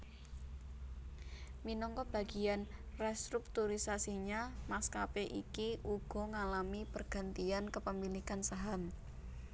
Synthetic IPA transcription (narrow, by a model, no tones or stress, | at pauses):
minɔŋkɔb̥a̤ɡ̥i̤anrɛst̪ɾuk̚t̪uɾisasiɲamaskapeʔḭkiʔuɡ̥ɔ̤ŋalamipərɡ̥a̤nt̪iankəpəmilikansaɦam